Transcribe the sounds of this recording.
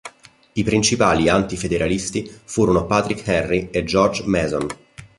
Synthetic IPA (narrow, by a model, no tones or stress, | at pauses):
ipɾint͡ʃipaːliant̪ifed̪eɾʔalist̪ifuːɾonopat̪ɾikhɛrːied͡ʒɔrd͡ʒmɛːzon